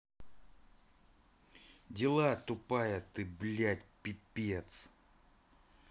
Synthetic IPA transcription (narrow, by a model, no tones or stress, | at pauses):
dʲɪlˠat̪ʊpajət̪ɨblʲatʲpʲipʲet̪s